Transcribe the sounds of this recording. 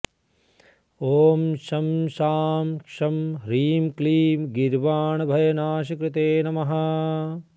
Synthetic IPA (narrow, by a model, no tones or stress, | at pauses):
oːmʃɐmʃaːmkʂɐmɾiːmkliːmɡiɾʋaːɳɐbʱɐjɐnaːʃ̬ɐkɾɪt̪eːnɐmɐɦɐ